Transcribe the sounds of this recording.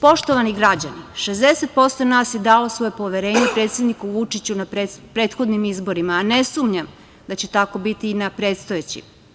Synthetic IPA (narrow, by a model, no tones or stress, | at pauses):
po̞ʃt̪oʋaniɡɾad͡ʑaniʃezd̪e̞se̞t̪̚po̞st̪onaːsje̞d̪aosʋo̞jepo̞ʋeɾe̞ːɲepɾe̞ːt̪sjed̪nikuʋut͡ʃit͡ɕunapɾepɾe̞ːt̪xo̞d̪nimizbo̞ɾimaːne̞sumɲam | d̪at͡ɕe̞t̪ako̞bit̪iːnapɾe̞ːt̪st̪o̞jet͡ɕḭ